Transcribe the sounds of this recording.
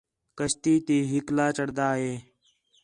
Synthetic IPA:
kəʃt̪iːt̪iːɦɪklaːt͡ʃəɽd̪aːɦeː

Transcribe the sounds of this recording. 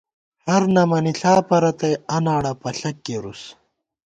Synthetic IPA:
hɐɾnɐmɐniɬaːpɐɾɐt̪ɐjɐnaːɽɐpɐɬɐkːeɾus

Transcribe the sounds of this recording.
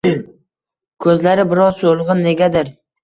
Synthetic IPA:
kʰɵzlaɾɪbɪɾɒsolˠʁɨnːe̞ɡʲad̪ɪɾ

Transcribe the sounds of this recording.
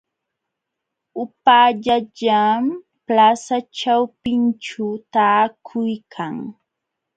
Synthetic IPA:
ʊpaʎaʎam | plasaʈ͡ʂawpɪnt͡ʃʊt̪aːkʰʊjkʰaŋ

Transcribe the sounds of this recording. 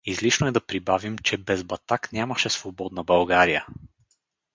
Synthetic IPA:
izliʃnoɛd̪ɐpɾibavimt͡ʃɛbɛzbɐt̪aknʲaməʃɛsvobɔd̪nɐbɐlˠɡaɾijə

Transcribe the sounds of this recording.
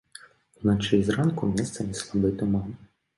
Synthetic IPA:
unat͡ʂɨzrankumʲɛst̪sɐnʲɛslˠab̪ɨt̪umam

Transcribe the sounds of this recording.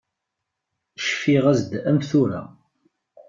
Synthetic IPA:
ʃfiʁæzd̪æmθuɾa̰

